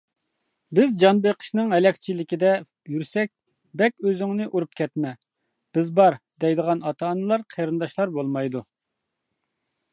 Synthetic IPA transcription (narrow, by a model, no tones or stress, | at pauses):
bɪzd͡ʒɑnbeqʰə̥ʃnɨŋɦɛlɛkʲt͡ʃʰilɪkʲid̪ɛ | jyɾsɛk̚ʲ | bɛkʲøzyŋnɪʔuɾup̚kʲʰɛt̪mɛ | b̥ɪzbɑɾd̪̥ɛjd̪əʁɑnɑt̪ʰɑːnːɨlˠɑɾqʰeɾɨnd̪ɑʃlˠɑɾbolˠmɑjd̪u